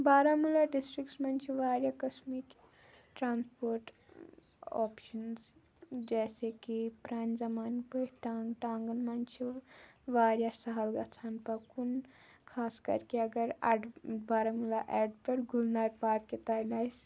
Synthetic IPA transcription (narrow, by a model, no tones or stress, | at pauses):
baːɾamulaɖisʈɾiksmɐnt͡ʃʰeʋaːɾjakɐsmik | ʈɾaːnspoɾʈ | ɔ̰pʃəns | d͡ʒɛːsekipɾand͡ʒɐmaːnpəʈaŋɡʈaːŋɡənmɐnt͡ʃʰeʋaːɾjasɐɦəlɡat͡ʃʰanpɐkunkʰaːskɐ̰ɾkeɐɡəɾa̰ɖbaːɾamulaʔɛɖpeɾɡʱulnaɾpaːɾkːet̪aɾnajs